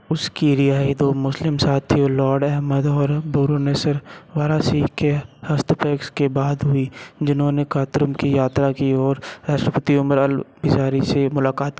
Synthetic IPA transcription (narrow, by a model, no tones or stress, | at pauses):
ʊskiɾɪaːid̪oːmʊslɪmsaːt̪ʰːiolɔːɾɖɛɦməd̪ɔːɾboːɾonesəɾʋaːɾasiːkehɐst̪peːkskebaːd̪ɦʊid͡ʒɪnɦõnekaːt̪ɾʊmkijaːt̪ɾakiɔːɾɾaːʃʈɾəpət̪iʊməɾəlbɪd͡ʒaːɾisemʊlaːkaːt̪ː